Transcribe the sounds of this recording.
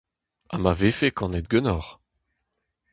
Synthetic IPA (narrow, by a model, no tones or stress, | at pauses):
a̰mavefekɑ̃nɛt̪̚ɡønɔʁ